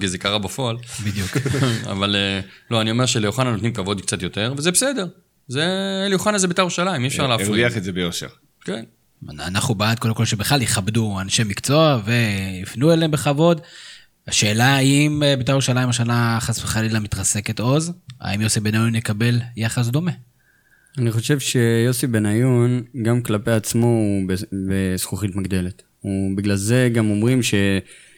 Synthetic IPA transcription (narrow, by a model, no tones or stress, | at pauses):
kizekaʁabafo̞albid̪juka̰valelo̞anio̞meʃelejoχanano̞t̪nimkavo̞d̪kt͡sat̪jo̞t̪e̞ʁvezebesede̞ʁ | zelejoχanazebetaʁuʃalajimiefʃaʁleaeiaχetzebejoʃḛʁ | ken | a̰naχnubaad̪kodemkolʃebeχlaliχabduanʃe̞mikt͡so̞ave̞ifnuelembeχavo̞d | aʃe̞ːlaimbet̪ajʁuʃalaimaʃ̬anaχasveχalilamit̪ʁaseket̪o̞za̰imjo̞sibe̞najunjekabe̞ljaχas̬d̪o̞me̞ | aniχo̞ʃe̞vʃe̞jo̞sibe̞najunɡamklapeat͡smobebesχuχit̪maɡd̪e̞let̪ | ubiɡlalze̞ɡamo̞mʁimʃe̞